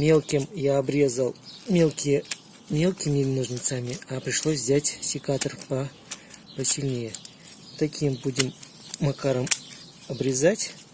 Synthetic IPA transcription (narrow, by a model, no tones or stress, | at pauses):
mʲe̞lˠkʲɪmjaɐbɾʲe̞zəlˠmʲelˠkʲɪj | mʲe̞lˠkʲɪmʲɪnoʐnʲɪt̪samʲɪapɾʲɪʂlˠosʲvzʲatʲsʲɪkat̪ərpə | pəsʲɪlʲnʲejɪ | t̪ɐkʲimbudʲɪmː | ɐkaɾəm | ɐbɾʲɪzatʲ